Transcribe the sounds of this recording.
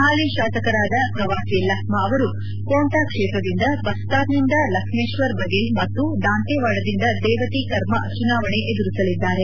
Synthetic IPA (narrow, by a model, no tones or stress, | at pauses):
haːliʃaːsɐkɐɾaːd̪ɐpɾɐʋaːsiːlɐkʰmɐːʋɐɾu | koːɳʈaːkʂɛːt̪ɾɐd̪ind̪ɐbɐst̪aːɾnind̪ɐlɐkʂmeːʃʋɐɾbɐɡemɐt̪ːud̪aːnt̪ɛːʋaːɖɐd̪ind̪ɐd̪ɛːʋɐt̪ikɐɾmɐɐt͡ʃunaːʋɐɳeʔed̪uɾisɐlid̪ːaːɾe̞